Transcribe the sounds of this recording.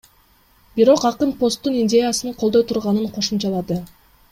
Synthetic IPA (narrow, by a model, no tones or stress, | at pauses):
biɾo̞qɑqɯnpo̞st̪ːuninʲdʲe̞jasɯnɯqʰolˠd̪o̞jt̪ʰuɾʁɑnɯɴqʰo̞ʃumt͡ʃɑlˠɑd̪ɯ